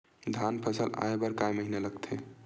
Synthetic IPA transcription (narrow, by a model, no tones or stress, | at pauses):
d̪ʱanpʰəsəla̰ebəɾkajməɦineləɡt̪ʰe